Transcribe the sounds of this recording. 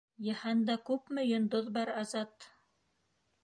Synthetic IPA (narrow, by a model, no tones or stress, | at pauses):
jɑhɑnd̪ɑkʉpmɵ̆jŏnd̪oðbɑɾɑzɑt̪